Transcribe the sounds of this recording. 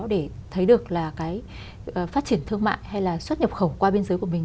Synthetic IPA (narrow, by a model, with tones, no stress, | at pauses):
ɗe˧˩t̪ʰə˨˦jɗɨ˨˩ək̚laː˨˩kaː˨˦j | ʔːfaː˦˥t̚t͡ɕi˧˩ənt̪ʰɨ˧əŋma̰ː˧˨jha˧jlaː˨˩swə˦˥t̚ɲə˨˩p̚xə˧˩wŋ͡mkwaː˧ɓe˧nzəː˨˦jku˧˩əmï˨˩ŋ